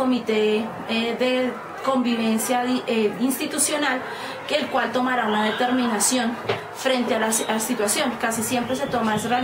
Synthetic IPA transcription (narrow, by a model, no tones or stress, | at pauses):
omit̪e | ðe | ko̞mbiβe̞nsjaeinst̪it̪usjo̞nal | ke̞ːlkwalt̪o̞maɾaunaðe̞t̪e̞ɾmĩnasjo̞n | fɾe̞nt̪ealasasit̪wasjo̞ŋkasisje̞mpɾe̞s̬e̞t̪omaesra